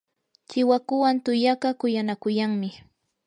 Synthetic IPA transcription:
t͡ʃɪwakʊwant̪ʊjaɢɑkʊjanakʊjaŋmɪ

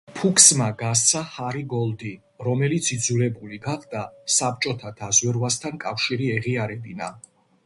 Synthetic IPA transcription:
pʰukʰsmaɡas̬t̪sʰahaɾiɡɔlˠd̪i | ɾɔmɛlit̪sʰid̪zulɛbuliɡaχd̪asap̚t͡ʃʼɔt̪ʰad̪̥azwɛɾvast̪ʰankʼafʃiɾiɛʁiaɾɛbina̰

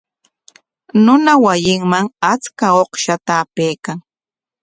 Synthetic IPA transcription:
nʊnawajɪŋmaŋat͡skaoχʃat̪aːpejkaŋ

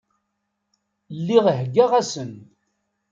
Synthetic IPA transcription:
lːiʁɦɡːaʁæsən

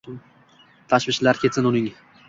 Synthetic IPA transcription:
t̪ʰaʃvɪʃlaɾkʲʰe̞t̪sɪnʊnɪŋ

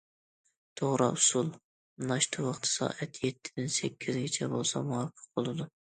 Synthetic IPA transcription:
t̪ʰoʁɾɑʊsulˠ | nɑʃt̪ʰɨwɑχt̪ʰɨ̥sɑ̰ːʔɛt̪ʰjɛt̪ʰːɪ̥d̪ɪnsɛkʲʰːizɡʲet͡ʃʰɛbolˠsɑmuwɑqʰːə̥q̚bolˠɨd̪u

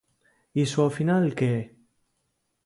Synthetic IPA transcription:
iswafinalke

